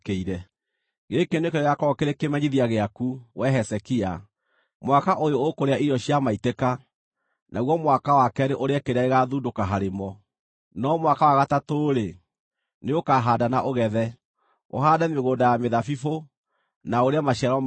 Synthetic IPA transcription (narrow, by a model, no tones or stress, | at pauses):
keiɾɛ | ɡeːkeneokeɾeɣakɔkeɾekemɛɲiðiaɣeakuwɛɦɛsɛkia | mwakaʔojoːkoɾeaiɾɔɕiamaiteka | nʔaɣwɔmwakawakɛɾeʔoɾeakeɾeaeɣaðudokaɦaɾemɔ | nɔmwakawaɣatatoːɾe | neokaːɦaːdanaʔoɣɛðɛ | o̰ɦaːdameɣoːdajameðafifo | naoɾeamaʃiaɾɔ